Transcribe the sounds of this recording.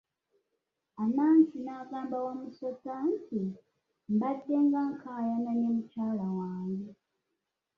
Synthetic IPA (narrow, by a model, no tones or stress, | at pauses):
anansinakaːmbawamusɔt͡santʰi | mbatːeŋɡaŋ̩kʰajananemut͡ʃalawaːŋɡɛ